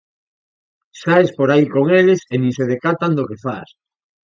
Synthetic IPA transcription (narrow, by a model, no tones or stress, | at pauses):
ʃaespoɾaikoŋelesenĩŋseð̞ekat̪and̪okefa̰s